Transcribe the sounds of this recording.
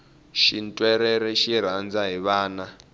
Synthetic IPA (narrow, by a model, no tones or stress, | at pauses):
ʃintʼwɛɾɛɾɛʃiɾ̤and͡zaɦiβaːna